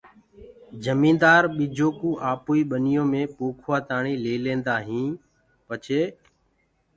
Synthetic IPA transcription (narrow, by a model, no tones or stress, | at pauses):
d͡ʒəmĩːnd̪aːɾɓiːd͡ʒoːkũːʔaːpuːiːɓənɪjõːmẽːpoːkʰʋaːt̪aːɳĩːleːlẽːnd̪aːɦĩː | pət͡ʃʰeː